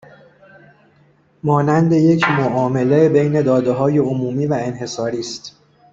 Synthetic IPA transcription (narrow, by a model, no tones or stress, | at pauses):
mɒːnænd̪e̞je̞cʰmoʔɒːme̞lebe̞jne̞d̪ɒːd̪e̞ɦɒːje̞omuːmiːvæe̞nɦe̞sɒːɾiːst̪